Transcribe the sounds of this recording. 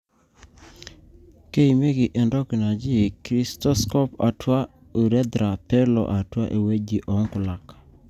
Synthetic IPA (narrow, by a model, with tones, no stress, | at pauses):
ke˦i˨me˦ɡɪ˨ʔɛ˨ndɔ˦ki˨na˨d͡ʒɪ˦kɾi˦stɔ˦skɔ˦pa̰˨tʰwa˦ | u˨ɾɛ˦d̪ɾa˨pɛ˦lɔ̰˨ʔa˨twa̰˦ʔe˨we˦d͡ʒi˨ʔɔ˨ŋkʊ˨la˨k